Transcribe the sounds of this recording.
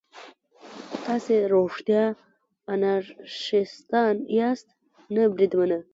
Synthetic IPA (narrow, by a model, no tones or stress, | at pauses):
t̪ɑseɾoʂt̪jɑ | anaɾʃist̪ɑnijɑst̪ | nəbɾid̪mənə